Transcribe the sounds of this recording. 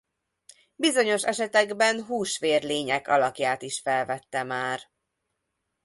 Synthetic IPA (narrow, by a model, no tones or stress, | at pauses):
bizo̞ɲo̞ʃɛʃɛt̪ɛɡbɛnɦuːʃʋeːrleːɲɛkɒ̰lɒkjaːt̪iʃfɛlvɛt̪ːɛmaːr